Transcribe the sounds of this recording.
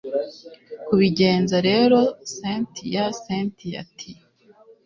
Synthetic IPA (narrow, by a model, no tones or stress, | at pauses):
kuβiɟe̞ːnzaɾe̞ɾo̞sentijaseːntija̰tʰi